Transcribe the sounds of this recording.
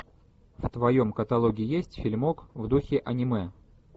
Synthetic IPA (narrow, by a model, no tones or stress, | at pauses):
ft̪vɐjo̞mkət̪ɐlˠoɡʲɪːjesʲtʲfʲɪlʲmokvd̪uxʲɪʔɐnʲɪmɛ